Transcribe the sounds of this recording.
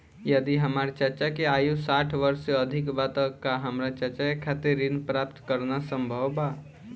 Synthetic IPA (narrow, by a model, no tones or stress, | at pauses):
jəd̪iɦəmaːɾt͡ʃəɾt͡ʃakeaːjusaːʈʰʋəɾseəd̪ʱɪkbaːt̪əkaɦəmɾat͡ʃəɾt͡ʃaekʰat̪eɾinpɾaːpt̪kəɾnasə̃mbʱəʋba